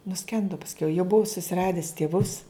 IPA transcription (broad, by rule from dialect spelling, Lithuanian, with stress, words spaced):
nʊˈsʲkʲɛndʊ pɐsʲˈkʲɛʊ jɛʊ ˈbʊʊ sʊsʲɪˈrɑːdʲɪs tʲeːˈʋʊs